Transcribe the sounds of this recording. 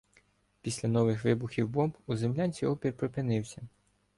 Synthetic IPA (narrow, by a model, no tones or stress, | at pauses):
pʲisʲlʲɐnɔʋɪxʋɪbʊxʲiwbɔmbuzemlʲanʲt͡sʲiɔpʲirpɾɔpɪnɪwsʲɐ